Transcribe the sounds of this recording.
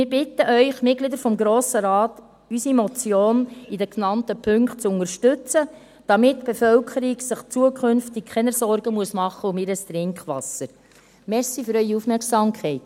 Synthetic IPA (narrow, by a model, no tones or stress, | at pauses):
mɪɾbɪtːəʔœʏχmɪt̚ɡ̥lid̪əɾfɔmɡɾoːsəɾɑːt | ysimɔt͡sjoːnidəknɑntəpʰʏŋkχt̚t͡sʊŋəɾʃtʉt͡sə | d̥ɑmɪtːb̥efœlkʰəɾiɡsəχt͡suəkχɵnftɪk̚kʰɛnəsɔɾɡəmuəsmɑχːəʊmɪɾəst̪ɾɪŋkχʋɑ̰səɾ | mɛsifyɾœʏiufmɛɾksɑːmkʰχɛɪt